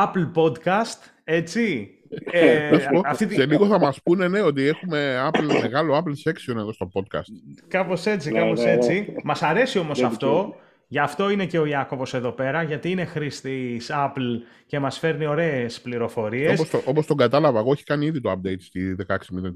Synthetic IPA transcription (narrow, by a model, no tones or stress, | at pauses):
ɐplpo̞d̪kɐst̪ | e̞t͡si | ɐsoɐft̪it̪seliɣo̞θɐmɐspune̞ne̞o̞t̪̬ie̞xume̞ɐplme̞ɣɐlo̞aplse̞ksio̞ne̞ðo̞st̪o̞po̞d̪̚kɐ̰st̪kɐpo̞se̞t͡sikɐpose̞t͡simɐsɐɾe̞sio̞mo̞sɐft̪o̞ | ʝɐft̪o̞ine̞ce̞o̞iɐko̞vo̞se̞ðo̞pe̞ɾɐʝɐt̪iine̞xɾist̪isɐpl | ce̞mɐsfe̞ɾnio̞ɾe̞espliɾo̞fo̞ɾiesposoopost̪o̞ŋɡɐt̪ɐlɐvɐeɣo̞eçi̥kɐniiðit̪oɐp̚d̪ejt̪st̪iðekɐeksimit̪e